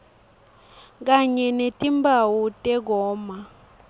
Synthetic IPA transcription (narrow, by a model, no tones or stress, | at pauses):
k̬ʼaɲɛnetʼimbawutʼɛɡɔːma